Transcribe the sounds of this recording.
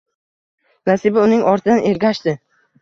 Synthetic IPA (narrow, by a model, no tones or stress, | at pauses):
nasɪbɪʊnɪŋʔɒɾt̪ʰɪd̪anʔe̞ɾɡʲaʃt̪ɪ